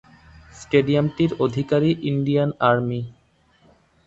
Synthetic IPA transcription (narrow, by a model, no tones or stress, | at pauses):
sʈeɖiamʈiɾod̪ʱikaɾiʔiɳɖijanaɾmi